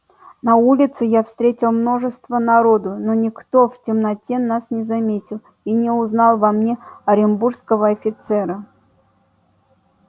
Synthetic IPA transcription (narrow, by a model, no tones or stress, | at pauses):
nɐulʲɪt̪sɨjafst̪ɾʲetʲɪlˠmno̞ʐɨst̪vənɐɾod̪ʊnonʲɪkt̪o̞ftʲɪmnɐtʲenasnʲɪzɐmʲetʲɪlˠ | inʲɪʊznɑlˠvɐmnʲeɐɾʲɪmburskəvəɐfʲɪt̪sɛɾə